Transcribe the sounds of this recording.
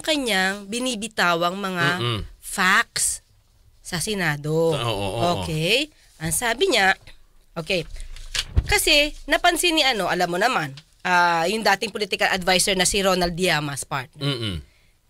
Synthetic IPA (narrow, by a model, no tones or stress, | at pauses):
ʊŋkɐɲaŋbɪniːbɪt̪aːwɐŋmɐŋafak̚sː | ɐsɛnaːd̪o̞oʔʔoːkɛj | ʔɐŋsaːbɪɲa | ʔoːkɛj | kɐsɛnɐpɐnsɪnːɪʔɐno̞ʔɐlamːonɐman | ʔaːjʊŋd̪aːt̪ɪŋpolit̪ɪkɐlʔɐd̪vajsɛɹnɐsiɾo̞nɐld̪ɪjaːmɐspaɹt̪̚nɛ